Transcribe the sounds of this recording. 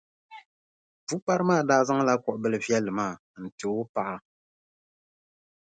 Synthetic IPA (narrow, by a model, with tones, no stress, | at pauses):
vu˦pa˦ɾɨ˦maː˦˨daː˦zɨ˦ŋ˦la˦kɔ˨ʔbɨ˦lɨ˨vjɛ˦lːɨ˨maː˦˨ | n̩˨tɨ˨˦o˦pa˦ʔa˦